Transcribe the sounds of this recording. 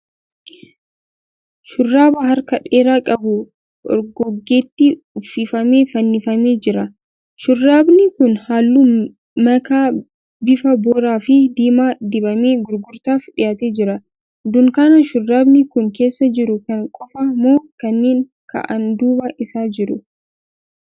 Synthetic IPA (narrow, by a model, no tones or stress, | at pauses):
ʃʊrːaːbɐɦɐɾkɐᶑeːɾaːkʼɐbʊ | ɔ̰ɾɡɔɡːeːt̪ːi | ʊfiːfɐmeːfɐnːɪfɐme̞ːd͡ʒɪɾɐ | ʃʊrːaːbnɪkʊnhaːlːuː | mɐkaː | bɪfɐboːɾaːfɪd̪iːmaːd̪ɪbɐmeːɡʊɾɡʊɾt̪aːfᶑɪjaːt̪eːd͡ʒɪɾɐ | d̪ʊŋkaːnɐʃʊrːaːbnɪkʊŋke̞ːsːɐd͡ʒɪɾʊkɐŋkʼɔfɐmoːkɐnːeːŋ | kɐ̰ʔɐnd̪uːbɐʔɪsaːd͡ʒɪɾʊ